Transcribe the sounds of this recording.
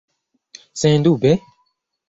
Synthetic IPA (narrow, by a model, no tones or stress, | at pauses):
sɪ̃nd̪ṵbɛ̃